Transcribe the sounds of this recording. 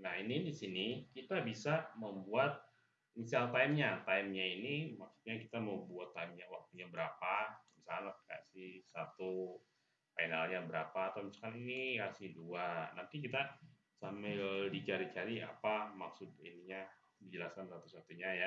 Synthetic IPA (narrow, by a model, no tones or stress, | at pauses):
nahinidisinikit̪abisaməmbuat̪̚ | misalt̪aimɲat̪aimɲainimaksu̥t̪̚ɲakit̪aməwbuat̪ːaɪmɲawak̚t̪uɲabəɾapabisanat̪̚ka̰ʔsisat̪u | painalɲabəɾapaːt̪awmisalkaninihasihduanant̪ik̬it̪a | samɛldit͡ʃaɾit͡ʃaɾia̰pamaksʊt̪̚ḭniɲa | did͡ʒəlaskansat̪usat̪uɲaja